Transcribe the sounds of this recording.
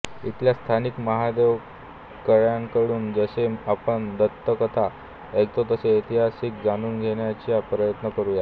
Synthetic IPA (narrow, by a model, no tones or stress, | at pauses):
it̪ljast̪ʰanikməɦad̪eʋ | kəɭjaŋkəɽuːnd͡zəseapəɳd̪ət̪ːəkət̪ʰa | ek̚t̪ot̪əseit̪iɦasik̚d͡zanuːnɡʱeɽjat͡ɕijapɾəjət̪nəkəɾuːja